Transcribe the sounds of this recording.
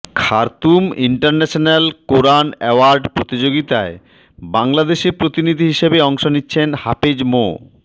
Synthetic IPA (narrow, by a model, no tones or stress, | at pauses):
kʰaɾt̪umiɳʈaɾnɛʃonelkoɾanɛoaɾɖpɾot̪id͡ʑoɡit̪ae | baŋlad̪eʃeɾpɾot̪inid̪ʱiɦiʃebeɔŋʃonitːɕʰenhapid͡ʑmo̰